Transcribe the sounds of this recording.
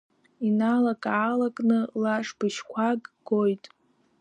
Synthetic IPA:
inalakʼaːlakʼnɨlaʂbɨʃkʷʰaɡʼɡojtʼ

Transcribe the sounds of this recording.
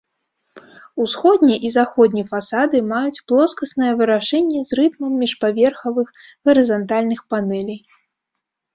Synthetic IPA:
usxɔd̪ʲnʲɛʔizaxɔd̪̚ʲnʲifasad̪ɨmajut͡sʲplˠɔskɐsnɐjɐvɨɾaʂɛnʲːɛzrɨt̪mɐmːʲiʂpavʲɛrxɐvɨx | ɣɐɾɨzant̪alʲnɨxpanɛlʲij

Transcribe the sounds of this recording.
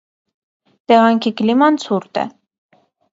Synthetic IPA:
t̪ɛʁɑŋkʰiklimɑnt͡sʰuɾt̪ɛ̰

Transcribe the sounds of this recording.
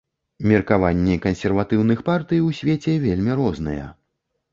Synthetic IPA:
mʲɛrkavanʲːɛkɐnsʲɛrvat̪ɨwnɨxpart̪ɨjwsʲvʲet͡sʲɛvʲelʲmʲiɾɔznɨ̰jɛ̰

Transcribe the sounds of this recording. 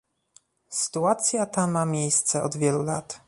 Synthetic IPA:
sɘ̥t̪uat̪sʲjat̪amamʲejst̪sɛɔd̪vʲjɛlulat̪

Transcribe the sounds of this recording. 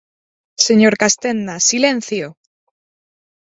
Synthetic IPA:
seɲoɾkast̪enːasilen̟θjo

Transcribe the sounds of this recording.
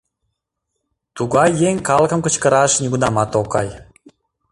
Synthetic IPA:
t̪uɣɑjːeŋʲkɑləkəmkə̆t͡ɕkə̆ɾɑʃnʲiɡunɑmɑt̪okɑ̰j

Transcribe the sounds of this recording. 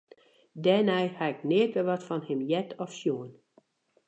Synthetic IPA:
dɛnɛjhaɪknɪətʋɛʋɔtfɔnhɪmjɛtʰɔfʃjuən

